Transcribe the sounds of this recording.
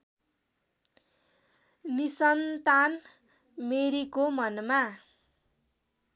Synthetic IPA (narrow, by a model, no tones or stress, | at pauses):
nisʌnt̪an | meɾikomʌnma